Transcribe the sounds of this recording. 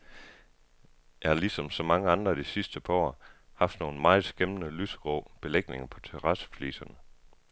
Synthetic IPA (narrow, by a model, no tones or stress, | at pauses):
jɑ̈hɑ̈lisɒ̽msɒ̽mɑ̈ŋəɑ̈nd̥ʁɐd̥isisd̥əpʰɒ̰ɐhɑ̈fd̥no̝ːn̩mɑ̈ːð̩ˠsɡ̥emənəlysɡ̥ʁoːb̥e̝leɡ̥̚ne̝ŋɐpʰɒ̽t͡sʰeʁɑsə̥flḭːsɐnə